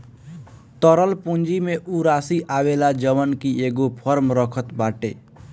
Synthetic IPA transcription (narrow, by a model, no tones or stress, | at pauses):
t̪əɾəlpund͡ʒimeʔuɾasiʔawelad͡ʒəwənkieɡopʰʌɾmɾəkʰət̪baʈḛ